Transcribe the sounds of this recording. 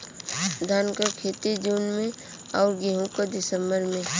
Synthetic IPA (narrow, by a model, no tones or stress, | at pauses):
d̪ʱaːnkəkʰeːt̪id͡ʒuːnmẽ | ɔːɾɡeɦũkad̪ɪsə̃mbəɾmẽ